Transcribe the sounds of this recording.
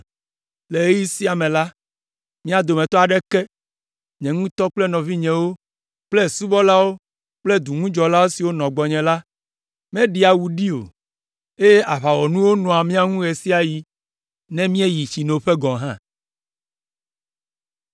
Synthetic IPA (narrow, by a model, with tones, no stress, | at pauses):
le˨e˦ji˦si˦a˨mɛ̃˨la˦ | mĩ˦a˨d̪o˨mɛ̃˨t̪ɔ˦a˨ɖɛ˦kɛ˦ | ɲɛ̃˨ŋũ˦t̪ɔ˦k͡plɛ˦nɔ̃˨vi˦ɲɛ̃˨wo˦ | k͡plɛ˦˨su˦bɔ˦la˦wo˦ | k͡plɛ˦d̪u˨ŋũ˦d͡ʒɔ˨la˦wo˦si˨wo˦nɔ̃˨ɡ͡bɔ˨ɲɛ̃˨la˦ | mɛ̃˦ɖi˦a˨wu˨ɖi˦o̰˨ | e˦je˦ʔa˨βa˨wɔ˨nũ˦wo˦nɔ̃˨a˨mĩ˦a˦ŋũ˦ɣe˨si˦a˨ji˦ | nɛ̃˦mĩ˦e˦ji˨t͡ɕi˨ne˨o˨ɸe˦ɡɔ̃˨ɦã˦